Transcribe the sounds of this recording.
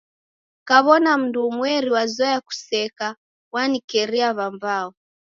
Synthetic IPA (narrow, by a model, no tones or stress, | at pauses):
kaβɔnam̩nduːmwɛɾiwazajaku̥sɛka | wanikɛɾiaβambaɔ